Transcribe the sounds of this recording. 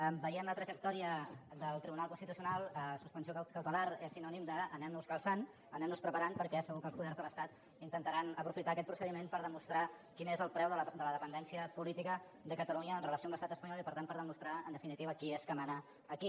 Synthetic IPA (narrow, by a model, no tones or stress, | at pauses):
ɛbəiəmlət̪ɾəʒək̚t̪ɔɾiəd̪əlˠt̪ɾiβunalˠkunst̪it̪usiunalˠəsuspənsjokəwt̪əlaɾesinɔnimd̪əːnɛmnuskəlˠsan | ənɛmnuspɾəpəɾanpəɾkɛsəɣukəlˠspuðɛrzðələst̪at̪ | int̪ənt̪əɾanəpɾufit̪aːkɛt̪̚pɾusəðimenpəɾðəmust̪ɾa | kinezəlˠpɾɛwðəd̪ələðəpənd̪ɛnsiəpulit̪ikə | d̪əkət̪əluɲəːnrələsioamləst̪at̪əspəɲɔlipəɾt̪anpəɾðəmust̪ɾaə̰nd̪əfinit̪iβəkieskəmanəː | ki